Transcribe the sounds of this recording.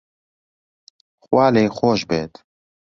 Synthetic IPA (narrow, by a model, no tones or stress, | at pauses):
xwaːleːxoːʃbḛːt̪